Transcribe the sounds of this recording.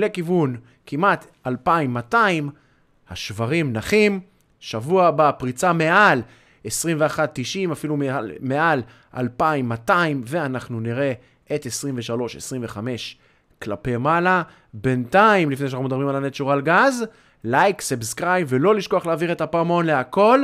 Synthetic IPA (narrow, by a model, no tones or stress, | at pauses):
lekivun | kimat̪ | alpaimːataim | haʃvaʁimnaχim | ʃavuabapʁit͡same̞ʔal | esʁimve̞aχat̪̚ːiʃimafilummeal | a̰lpaimːataimve̞anaχnuniʁe̞ | ʔet̪esʁimveʃalo̞ʃe̞̰sʁiɱve̞χame̞ʃ | klape̞mala | be̞ntaimlifneʃanaχumd̪aimalanetʃuʁalɡaz | lajksebskʁajmvelo̞liʃko̞aχleaːviʁet̪apamo̞nleako̞l